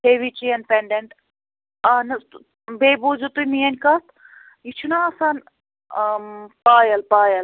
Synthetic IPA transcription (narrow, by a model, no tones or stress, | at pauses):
heʋit͡ʃijɐnpeɳɖeɳʈ | anɐ | beːbud͡ʒut̪umijɐnʲkɐst̪ʰ | jit͡ʃʰunaɐsan | paːjɐlpaːjɐl